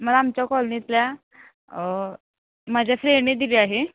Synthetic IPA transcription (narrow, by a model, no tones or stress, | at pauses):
məlaːmt͡ɕjakɔlnit̪lja | məd͡ʑʱjafɾeniːd̪iliaɦe